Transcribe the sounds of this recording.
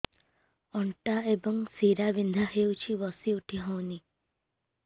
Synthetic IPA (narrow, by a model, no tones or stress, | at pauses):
ɔɳʈaebɔŋsiɾabind̪ʱahewt͡ʃʰibɔsiuʈʰiɦɔ̃wni